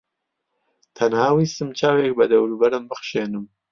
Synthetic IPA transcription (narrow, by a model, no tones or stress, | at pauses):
t̪ʰɐnhaːwiːst̪ɨmt͡ʃʰaːwek̚bɐd̪ɐwɾubɐɾɨmbɨχʃeːnɨm